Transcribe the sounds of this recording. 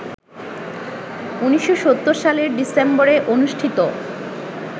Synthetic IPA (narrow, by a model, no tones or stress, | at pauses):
uniʃoʃot̪ːoɾʃaleɾɖisemboɾeʔonuʃʈʰit̪o